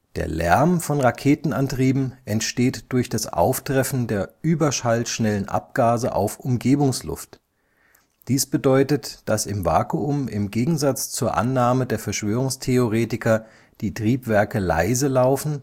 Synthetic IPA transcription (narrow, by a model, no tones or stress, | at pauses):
d̥eːɐlɛ̰ɐmfɔnʁakʰeːtn̩ʔantʁ̥iːbm̩ʔɛntʃteːtd̥ʊɐçd̥asʔa̰ʊftʁ̥ɛfn̩deːɐʔyːbɐʃaltʃnɛlənʔa̰p̚ɡ̥aːzə̰ʔa̰ʊfʔʊmɡeːbʊŋslʊ̰ft | d̥iːsb̥ədɔʏtətd̥asɪmva̰ːkuʊmɪ̰mɡeːɡŋ̩zat͡st͡suːɐʔa̰nːaːmədeːɐfɛɐʃv̥øːʁ̞ʊŋstʰeoʁeːtɪkɐ | d̥iːtʁ̥iːpv̥ɛɐkəla̰ɪzəlaʊfn̩